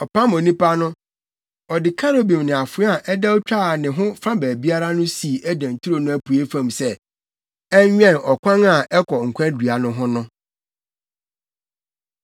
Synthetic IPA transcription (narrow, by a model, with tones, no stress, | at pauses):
ɔ˨pʰã˦mɔ̃˨nĩ˦pa˦nʊ̃˦ | ɔ˨dɪ˨kʰa˦ɾo˦bĩ˨m˨nɪ̃˨a˨fʊ˨˦a˨ʔɛ˦dɛ˦ɔ˦t͡ɕᶣa˦˨nɪ̃˨ɦʊ̃˦fã˦bæː˨bi˦a˦ɾa˦nʊ̃˦si˨ʔæ˦dã˨n˨tʰu˦ɾo˨nʊ̃˦æ˦pʰu˨e˦fã˦˨msɛ˦ | ɛ˦ɲᶣɛ̃˦˨nɔ˨kʷʰã˦ŋa˨ɛ˦kʰɔ˨ŋ̩˨kʰʷã˦dɥa˨nʊ̃˦ɦʊ̃˦nʊ̃˦